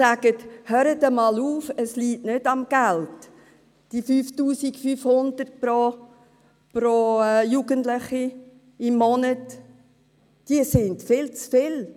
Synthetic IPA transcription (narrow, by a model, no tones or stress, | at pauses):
sæɡ̥əthøːɾətəmɑːluːfəsliːtnɪd̥ɑmɡ̥ælt | d̥ifyːftuːsikfyːfhʊnd̥ərt̚pɾo | pɾojuɡ̥əntlɪχi | ɪmːɔnət | d̥iəsɪndfɪlt͡sfɪl